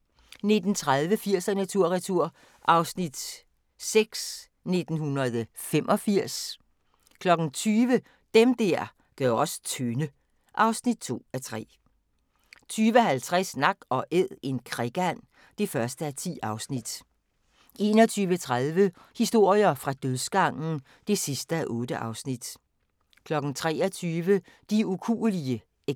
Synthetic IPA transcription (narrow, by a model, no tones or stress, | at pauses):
ne̝d̥n̩t͡sʰʁaðˠʋəfiɐ̰sænæt͡sʰuɐ̰ʁɛt͡sʰuɐ̰ | ʔɑ̈ʊsnid̥ | seɡ̥s | ne̝d̥n̩hunɐð̩ˠfemʔɒ̽fiɐ̰s | kʰlɒ̽ɡ̥n̩t͡sʰyːʋə | d̥emd̥æɐ̰ | ɡ̥œʊɒ̽st͡sʰønə | ʔɑ̈ʊsnid̥̚t͡sʰo̝̰ːæt͡sʰʁɛ̰ː | t͡sʰyːʋəhælt͡sʰʁasnɑ̈ɡ̥ɒ̽ʔeð̰ˠe̝nkʰʁɛɡ̥æn̰ | d̥e̝fɶɐsd̥əæt͡sʰḭːɑ̈ʊsnid̥ | e̝ːnɒt͡sʰyːʋət͡sʰʁaðˠʋə | hisd̥o̝ɐ̰jɐfʁɑ̈d̥øðˠsɡ̥ɑ̈ŋ̰n̩ | d̥e̝sisd̥əæʔɔ̽ːd̥əʔɑ̈ʊsnid̥ | kʰlɒ̽ɡ̥n̩t͡sʰʁɛ̰ːɐt͡sʰyːʋə | d̥iukʰṵːliə | e